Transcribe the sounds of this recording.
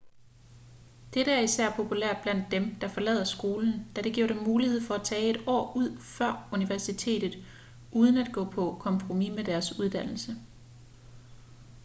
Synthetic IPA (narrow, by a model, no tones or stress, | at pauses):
d̥eɾəæɐisæɐ̰pʰo̝pʰulæɐ̰d̥̚b̥læn̰d̥ːemd̥ɑ̈fɒ̽lɛ̰ːð̰ˠɐsɡ̥o̝ːln̩d̥æɾ̥e̝ɡ̥iɐ̰ɾ̥emmuːlihe̝ð̰ˠfɒ̽æt͡sʰɛːe̝d̥ɒ̰ːuð̞̰ˠfɶɐ̰uniʋæɐsit͡sʰe̝̰ːd̥ð̩ˠ | ʔuːð̞ˠən̩æd̥̚ɡ̥ɔ̰̽ːpʰɒ̽kʰɒ̽mpʰʁomimed̥æɐsuð̞ˠd̥æn̰l̩sə